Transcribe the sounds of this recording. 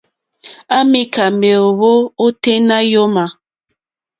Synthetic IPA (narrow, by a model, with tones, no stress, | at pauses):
a˦mi˦ka˨me˨o˨βo˦o˦te˦na˦jo˦ma˨